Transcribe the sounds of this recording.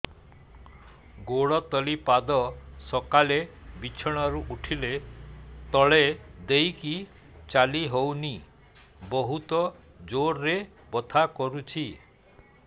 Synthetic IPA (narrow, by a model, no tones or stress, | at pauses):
ɡoɽɔt̪ɔlipad̪ɔsɔkalebit͡ʃʰɔɽ̃ɔɾuʔuʈʰile | t̪ɔɭed̪ejki | t͡ʃaliɦowni | bɔɦut̪ɔ | d͡ʒoɾːe | bɔt̪ʰakɔɾut͡ʃʰi